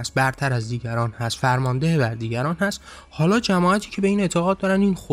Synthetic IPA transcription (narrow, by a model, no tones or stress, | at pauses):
st̪̚bæɾt̪ʰæɾæzd̪iːɟæɾɒːnhæst̪fæɾmɒnd̪ehebæɾd̪iːɟæɾɒːnhæst̪ | hɒːlɒːd͡ʒæmɒːæt̪ʰiːcʰe̞be̞iːne̞t̪ʰe̞ɣɒːd̪̚d̪ɒːɾænd̪inxo